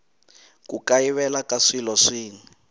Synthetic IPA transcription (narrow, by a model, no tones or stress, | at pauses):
kukaiβɛlakaʂilɔʂiːni